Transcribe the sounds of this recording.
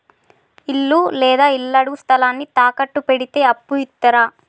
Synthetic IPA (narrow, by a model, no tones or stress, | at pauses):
ilːulɛːd̪aːilːɐɽust̪ʰɐlaːnːit̪aːkɐʈːupeɽit̪e̞ːɐpːuit̪ːɐɾaː